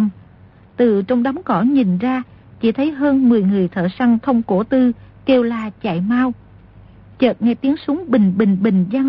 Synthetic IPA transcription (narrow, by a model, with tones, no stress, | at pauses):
t̪ɨ˨˩t͡ɕɔ˧wŋ͡mɗɔ˨˦wŋ͡mkɔ˧˩ɲi˨˩nzaː˧ | t͡ɕḭ˧˩t̪ʰə˨˦jɦəː˧nmɨ˨˩əjŋɨ˨˩əjt̪ʰə̰ː˧˨˩sa˧ŋt̪ʰə˧wŋ͡mko˧˩t̪ɨ˧ke˧wlaː˨˩t͡ɕa̰ː˧˩˨jmaː˧w | t͡ɕəː˨˩t̚ŋɛ˧t̪i˨˦əŋsu˨˦ŋɓï˨˩ŋ̟ɓï˨˩ŋ̟ɓï˨˩ŋ̟zaː˧